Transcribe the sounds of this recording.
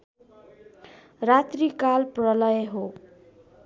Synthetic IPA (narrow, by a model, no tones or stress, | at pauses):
rat̪rikalprʌlʌjɦo